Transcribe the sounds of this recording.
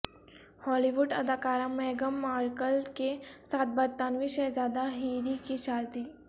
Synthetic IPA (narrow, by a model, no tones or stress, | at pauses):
hɔːliʋʊɖɐd̪aːkaːɾãmːeːɡəmːaːɾkəlkesaːt̪̚bəɾt̪anʋĩʃeːzaːd̪aɦiːɾikiʃaːlt̪i